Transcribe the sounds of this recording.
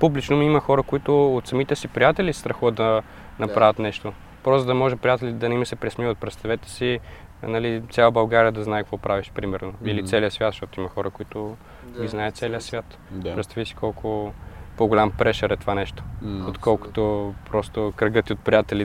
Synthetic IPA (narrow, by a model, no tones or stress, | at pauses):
publit͡ʃnomiimɐxɔɾəkoit̪ʊot̪sɐmit̪ɛsipɾijat̪ɛlʲist̪ɾɐxuvət̪d̪ɐ | nɐpɾavʲɐt̪nɛʃt̪o | pɾɔsd̪ɐmɔʒɛpɾijat̪ɛlʲid̪ɐnɛiməsɛpɾɛsmivot̪̚pɾɛt̪st̪ɐvɛt̪ɛ̥si | nɐlit̪sʲalˠəbɐlˠɡaɾiəd̪ɐznaɛkvɔpɾʔaviʃpɾimɛɾnoilit̪sɛlijəsvʲjat̪ʃt̪ɔt̪oimɐxɔɾəkoit̪ʊ | ɡʲiznaɛt̪sɛliəsvʲjat̪ | pɾɛt̪st̪avisi̥kʰɔlˠkʰʊpoɡolʲampɾɛʃəɾɛt̪ovanɛʃt̪o̥ot̪kɔlˠko̥t̪opɾɔst̪okɾɐɡɤt̪iot̪̚pɾʲijat̪ɛli